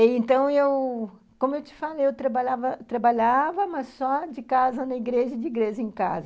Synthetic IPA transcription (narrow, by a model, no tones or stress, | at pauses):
ɪẽnt̪ɐ̃w̃ew | kõmʊewt͡ʃɪ̥falejewt̪ɾɐbaʎavɐt̪ɾabaʎavɐmɐssɔd͡ʒɪkazɐnɐiɡɾeʒɐd͡ʒɪiɡɾeʒɐẽka̰zɐ